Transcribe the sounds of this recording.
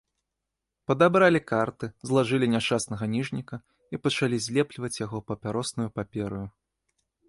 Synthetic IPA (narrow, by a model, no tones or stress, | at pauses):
pɐd̪abɾalʲikart̪ɨzlˠaʐɨlʲinʲaʂt͡ʂasnɐɣɐnʲiʐnʲikɐ | ipɐt͡ʂalʲizʲlʲɛplʲivɐt͡sʲjaɣɔpɐpʲaɾɔsnujupapʲɛɾɨju